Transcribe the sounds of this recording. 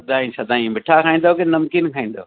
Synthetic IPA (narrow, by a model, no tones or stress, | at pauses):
ɐd̪ʱãːĩsɐd̪ãːĩmɪʈʰakʰaːĩn̆d̪okenɐmkinkʰãːĩːn̆d̪o̰ː